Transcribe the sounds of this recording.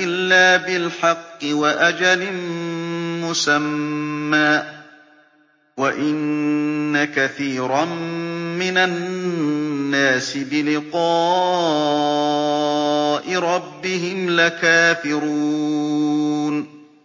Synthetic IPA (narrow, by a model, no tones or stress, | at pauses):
ʔɪlːaːbɪlħɑqːɨwaʔad͡ʒalɪ | mʊsamːaː | waʔɪnː | akaθiːɾˤɑmmɪnanː | aːsɪbɪlɪqɑː | ʔɪɾˤɑbːɪɦɪmlakaːfɪɾu | n